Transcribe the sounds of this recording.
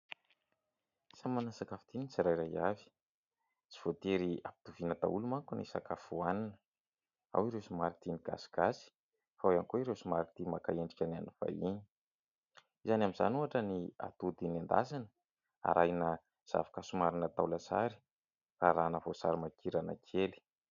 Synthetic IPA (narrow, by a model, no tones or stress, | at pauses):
samanəsakafu̥t̪init͡siɾajrajavi̥ | t͡si̥v̥ot̪eɾiapi̥t̪uvinət̪a̰ulumaŋkunisakafuananə̥ | a̰wiɾewsumaɾit̪iniɡ̥a̰si̥ɡ̥asi̥ | faweankoiɾewsumaɾit̪imakaeɳɖ͡ʐikʲana̰nuv̥a̰iɲi | izanamiza̰nuaʈ͡ʂənia̰t̪ud̪inand̪a̰sanə | a̰ɾʔajnə | z̥a̰vḁkasumaɾinət̪aulasaɾi̥ | raɾanəvosaɾimakiɾana̰kʰeli̥